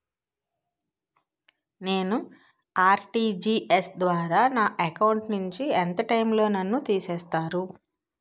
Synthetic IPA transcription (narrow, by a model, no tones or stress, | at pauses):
ne̞ːnu | aːɾʈiːd͡ʒiːesd̪ʋaːɾaːnaːʔekɐwuɳʈnuɲt͡ʃient̪ɐʈɐjmlo̞ːnɐnːut̪iːseːst̪aːɾu